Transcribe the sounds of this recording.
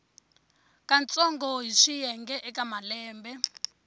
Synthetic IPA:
kant͡sʼɔŋɡɔɦiʂijɛŋɡɛʔɛkamalɛːmbɛ

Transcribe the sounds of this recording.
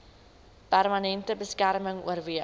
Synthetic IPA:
pærmɐnɛntəbəskærməŋṵərviə

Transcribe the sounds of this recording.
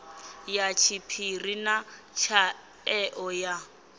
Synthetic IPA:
jat͡ʃʰipʰirina | t͡ʃʰa | ɛʔɔja

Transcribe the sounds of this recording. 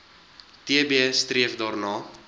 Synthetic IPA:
tiəbistriəfdɑːrnɑː

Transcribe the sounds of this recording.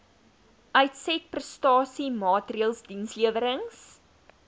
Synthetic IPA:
ʔœɥtsɛt̚prəstɑːsimɑːtriəlˠsdinsliəvəɾəŋs

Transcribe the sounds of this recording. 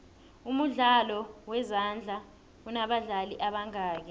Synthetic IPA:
umuɮalɔwɛzand͡ɮʱa | unaɓaɮaliʔaɓaŋaːk̬ɛ

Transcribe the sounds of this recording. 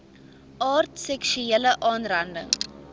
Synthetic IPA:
ʔɑːrtsɛkʃuɛləʔɑːnrɐndə̰ŋ

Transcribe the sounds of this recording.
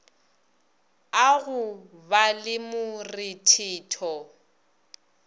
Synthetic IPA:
aɣʊbalɪmʊrɪtʰiɪːtʰɔ

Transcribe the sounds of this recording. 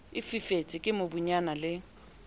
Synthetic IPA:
ɪfifetʼɪkʼɪmʊbuɲanalɪ

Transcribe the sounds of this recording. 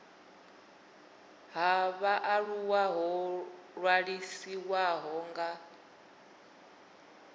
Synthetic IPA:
ɦaβaʔaɺuwaɦɔɺwaɺisiwaɦɔŋɡa

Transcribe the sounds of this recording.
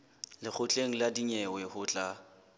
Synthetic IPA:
lɪk͡xʰʊt͡ɬʼeŋ̩ladiɲɛwɛhʊt͡ɬʼa

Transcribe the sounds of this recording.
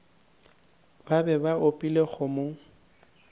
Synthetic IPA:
babɛbaʔopʼileχʊmo

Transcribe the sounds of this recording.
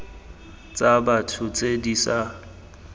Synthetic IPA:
t͡sʼabatʰʊt͡sʼedisa

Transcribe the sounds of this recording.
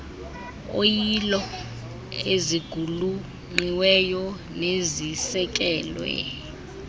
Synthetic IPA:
o̰jilɔ | eziɡ̥ʱulu | ŋ͡ǃiwɛjɔ | nezisɛk̬ʼɛːlwɛ̰

